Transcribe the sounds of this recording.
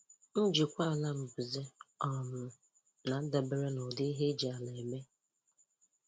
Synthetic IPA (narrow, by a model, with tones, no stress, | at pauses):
n̩˦d͡ʒi˨kʷa˦˨la˦m̩˨bu˨ze˦ɔ˨mʊ˨ | na˨˦da˨be˨ɾe˦nɔ˨dɪ˦i˦ɦe˦d͡ʒi˨a˨le˨e˨me˦